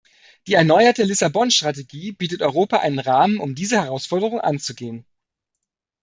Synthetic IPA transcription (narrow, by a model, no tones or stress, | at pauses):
d̥iːɛɐnɔʏɐtəlɪsabɔnʃtʁ̥ateɡiːb̥iːtətʔɔʏʁ̞oːpaʔa̰ɪnənʁaːmənʊmdiːzəhɛʁaʊsfɔɐdəʁ̞ʊŋʔa̰nt͡suɡeːən